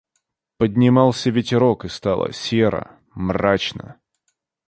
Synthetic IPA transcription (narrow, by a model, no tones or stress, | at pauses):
pədʲnʲɪmɑlˠsʲəvʲɪtʲɪɾokɨst̪ɑlˠə̰sʲeɾə̰ | mrat͡ɕnə̰